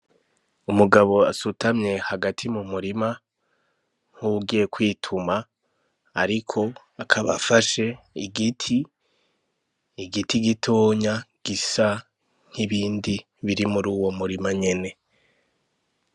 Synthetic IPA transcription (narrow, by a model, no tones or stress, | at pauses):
umuɡaβo̞asutamɲe̞haɡatʰimumuɾima | n̥huɡijekwiːtʰumaː | ɾikʰo̞ | akʰaβa̰faʃe̞ | iɡitʰi | ɡitiɡitʰoːɲaɡ̥isa | ŋ̥hiβiːndi | βiɾimuɾuːwo̞muɾimaɲe̞ne̞